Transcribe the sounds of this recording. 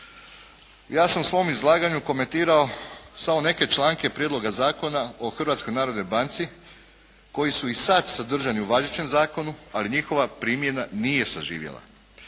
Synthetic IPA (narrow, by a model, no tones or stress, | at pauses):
jaːsamusʋo̞mizlˠaːɡaɲuko̞me̞nt̪iːɾao̞samo̞ne̞ke̞t͡ʃlˠaːŋke̞pɾjed̪lo̞ɡazaːko̞nao̞xr̩ʋat̪sko̞jnaːɾo̞d̪nojbant̪si | kojisuisat̪sad̪r̩ʒaniuʋazit͡ʃe̞mzaːko̞nualiɲixo̞ʋapɾiːmje̞nanije̞saʒḭːʋjḛlˠa̰